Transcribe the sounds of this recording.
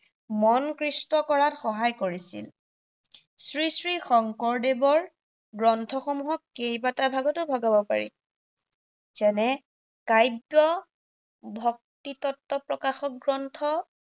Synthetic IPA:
mɔnkɹistɔkɔɹatxɔɦajkoɹisḭl | sɹisɹixɔŋkɔɹdebɔɹ | ɡɹɔntʰɔxɔmuɦɔkːejbatabʱaɡɔtʊbʱɔɡabɔpa̰ɹḭ | zɛnɛ | kajbjɔ | bʱɔk̚titɔtːɔpɹɔkaxɔk̚ɡɹɔntʰɔ

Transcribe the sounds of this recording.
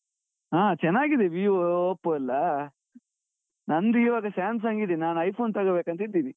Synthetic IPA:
aːt͡ʃɛnːaːɡid̪eʋiːopːoːɐlːɐ | nɐnd̪uiːʋaːɡɐʃaːns̬aŋɡid̪enaːnɐjpʰoːnt̪ɐɡɐbeːkɐnt̪ɐid̪iːni

